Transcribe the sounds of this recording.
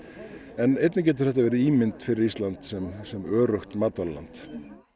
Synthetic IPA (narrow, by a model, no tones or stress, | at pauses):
ɛnejt̪nɪcɛːt̪ʏ̥θɛht̪avɛːɾɪiːmɪnt̪fɪɾɪɾist̪lant̪sɛmsɛmœːɾœxt̪mat̪alla̰nt̪